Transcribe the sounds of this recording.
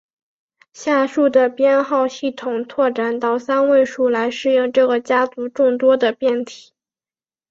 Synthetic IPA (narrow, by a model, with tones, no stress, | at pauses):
ɕja˥˧ʂu˥˩d̪ə˩pjɛ˥˧nxɑ˥˧ʊɕi˥˩t̪ʰʊ˨˩ŋt̪ʰwɔ˥˩ʈ͡ʂa˨˩nt̪ɑ˥˩ʊsa˥nwe˥˧ɪʂu˥˩la˧˥ɪʂɻ̩˥˩jʊ˥˧ŋʈ͡ʂɤ˥˩ɡə˩t͡ɕja˥t͡su˧˥ʈ͡ʂʊ˥˩ŋt̪wɔ˥d̪ə˨pjɛ˥˩nt̪ʰi̥˨˩˦